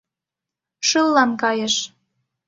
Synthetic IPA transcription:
ʃɤlːɑnkɑjəʃ

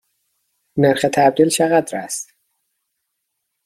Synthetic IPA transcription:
neɾxet̪ʰæb̚d̪ilʃæɣæd̪ɾæ̰st̪

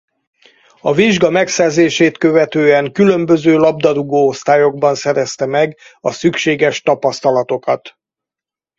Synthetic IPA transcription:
ɒviʒɡɒmɛksɛrzeːʃeːt̪kø̞vɛt̪øːɛŋkylø̞mbø̞zøːlɒbd̪ɒɾuɡoːost̪aːjo̞ɡbɒnsɛɾɛst̪ɛmɛɡ | ɒsykʃeːɡɛʃt̪ɒpɒst̪ɒlɒt̪o̞kɒt̪

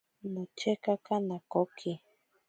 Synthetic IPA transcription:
nut͡ʃekakanakokʰi

